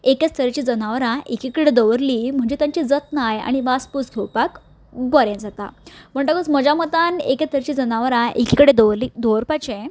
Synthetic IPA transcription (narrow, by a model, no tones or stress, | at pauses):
eket͡st̪ʰəɾt͡ɕiːd͡zənaʋɾãʔekikəɽed̪əʋəɾliːm̤əɳd͡ʑet̪jaɲt͡ɕid͡zət̪naja̰ɽ̃iʋaspuskʰewpak | bəɾẽd͡zat̪a̰pəɳʈ̪əkət͡sm̤əd͡ʑamət̪aneket͡st̪ʰəɾt͡ɕiːd͡zənaʋɾãʔekikəɽed̪əʋɾlid̪oəɾpat͡ɕẽ